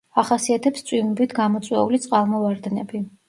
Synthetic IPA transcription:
aχasiat̪ʰɛpst̪sʼwimbit̪ʰɡamɔt̪sʼwɛulit̪sʼqʼalˠmɔvaɾd̪ɛnɛbi

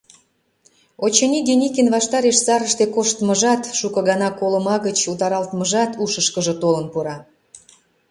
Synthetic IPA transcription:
ot͡ɕɤnʲid̪ʲenʲikʲenβɑʃt̪ɑɾeʃsɑɾəʃt̪ekoʃt̪məʒɑt̪ʃukɤ̆ɣɑnɑkolə̆mɑɣət͡ɕut̪ɑɾɑlt̪məʒɑt̪ʰuʃəʃkəʒə̆t̪olənpuɾɑ

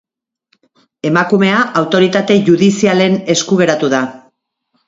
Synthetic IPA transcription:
e̞makume̞aʔawt̪o̞ɾit̪at̪e̞ʝuðisiale̞ne̞skuɣ̞e̞ɾat̪uða

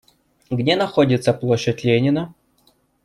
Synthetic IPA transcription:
ɡdʲenɐxodʲɪt̪səplˠoɕːətʲlʲenʲɪnə

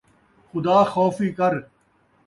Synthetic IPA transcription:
xʊd̪aːxɔːfiːkɐɾ

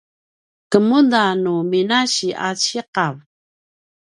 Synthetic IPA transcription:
kəmundanuminaɕiʔa̰t͡ɕiqav

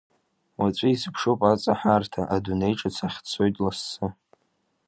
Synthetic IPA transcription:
wat͡ʃʷʼɪispʰʂopʼat͡sʼaħartʰaʔadune̞jʈ͡ʂʼat͡sʰaχʲt͡sʰo̞jtʼlasːɨ

